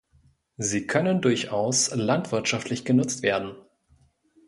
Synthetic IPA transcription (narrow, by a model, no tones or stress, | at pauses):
ziːkʰœnəndʊɐçʔaʊslantv̥ɪɐtʃaftʰlɪçɡ̥ənʊt͡stv̥eːɐdn̩